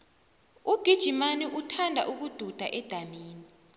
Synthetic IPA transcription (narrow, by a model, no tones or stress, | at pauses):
uɡ̥ʱid̥ʒ̥ʱimaniʔutʰandʱa̰ʔuk̬ud̥ʱud̥ʱa̰ʔɛd̥ʱamiːnii